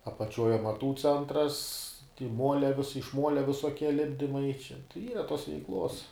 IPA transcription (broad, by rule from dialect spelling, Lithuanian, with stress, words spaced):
ɐpɐˈt͡ʃʲuɔj ɐmɐˈtuː ˈt͡sʲɛntrɐs tʲɪ ˈmuɔlʲɛ ʋʲɪs ɪʃ ˈmuɔlʲɛ ʋʲɪsoːˈkʲiɛ ˈlʲɪbʲdʲɪmɐɪ t͡ʃʲɛ ˈiːrɐ toːs ʋʲɛɪkˈlˠoːs